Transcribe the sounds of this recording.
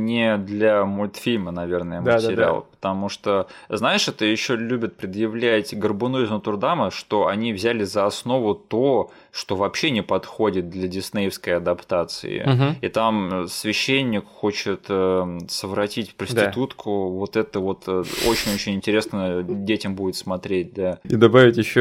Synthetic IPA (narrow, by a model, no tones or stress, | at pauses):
nʲɪd̪lʲɐmʊlʲt̪fʲilʲmənɐvʲe̞rnəjəmətɪɾa̰lˠəpə̥t̪ɐmuʂt̪oznaɪʂɛt̪əjɪɕːolʲubʲɪt̪̚pɾʲɪd̪jɪvlʲætʲɡərbɨnuizmət̪ʊrd̪aməʂt̪o̞ɐnʲivzʲælʲɪzəɐsno̞vʊt̪o̞ | ʂt̪o̞vɐpɕːe̞nʲɪpɐt̪xo̞dʲɪt̪̚d̪lʲədʲɪsnʲejɪfskəjɐd̪ɐpt̪at̪sɨ̰ɪ̰ɦit̪amsvʲɪɕːenʲːɪkxo̞t͡ɕɪt̪əsəvɾɐtʲitʲfpɾəsʲd̪ʲɪt̪ut̪kʰʊvo̞t̪ɛt̪əvo̞t̪o̰t͡ɕɪnʲo̞t͡ɕɪnʲɪnʲtʲɪɾʲe̞snədʲetʲɪmbudʲɪt̪smɐt̪ɾʲet̚ʲd̪aid̪ɐbavʲɪtʲjɪɕːo